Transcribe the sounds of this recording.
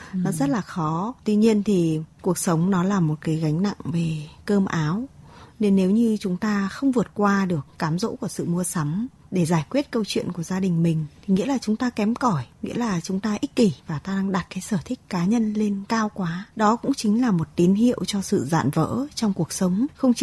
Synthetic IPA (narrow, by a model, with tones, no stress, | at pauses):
nɔ˨˦zə˦˥t̚laː˨˩xɔ˨˦t̪wi˧ɲi˧ənt̪ʰi˨˩ku˨˩ək̚sə˨˦wŋ͡mnɔ˨˦laː˨˩mo˨˩t̚kaː˨˦jɣa˨˦jŋ̟na̰˧˨ŋve˨˩kəː˧mʔaː˨˦wne˧nːe˨˦wɲɨ˧t͡ɕʊ˨˦ŋ͡mt̪aː˧xə˧wŋ͡mvɨ˨˩ət̚kwaː˧ɗɨ˨˩ək̚ːaː˨˦mzo̰˧˥ku˧˩əsɨ̰˧˨mu˧əsa˨˦m | ɗe˧˩zaː˧˩jkwi˦˥ət̚kə˧wt͡ɕwḭ˧˨ənku˧˩əzaː˧ɗï˨˩ŋ̟mï˨˩ŋ̟t̪ʰi˨˩ŋḭ˧˥laː˨˩t͡ɕʊ˨˦ŋ͡mt̪aː˧kɛ˨˦mkɔ˧˩jŋḭ˧˥əlaː˨˩t͡ɕʊ˨˦ŋ͡mt̪aː˧ʔi˦˥k̚ki˧˩vaː˨˩t̪aː˧ɗaː˧ŋɗa˨˩t̚kaː˨˦jsəː˧˩t̪ʰï˦˥k̟̚kaː˨˦ɲə˧nle˧nkaː˧wkwaː˨˦ɗɔ˨˦kʊ̰˧˥ŋ͡mt͡ɕï˨˦ŋ̟laː˨˩mo˨˩t̚t̪i˨˦nɦḭ˧˨əwt͡ɕɔ˧sɨ̰˧˨za̰ː˧˨nvə̰ː˧˥t͡ɕɔ˧wŋ͡mku˨˩ək̚sə˨˦wŋ͡mxə˧wŋ͡mt͡ɕ